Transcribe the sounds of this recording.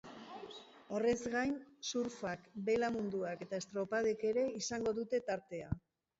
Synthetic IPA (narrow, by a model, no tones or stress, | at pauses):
o̞re̞zɣajnsuɾfakbe̞lamund̪uake̞t̪aest̪ɾo̞pað̞eke̞ɾe̞isaŋɡo̞ðut̪e̞t̪aɾt̪e̞a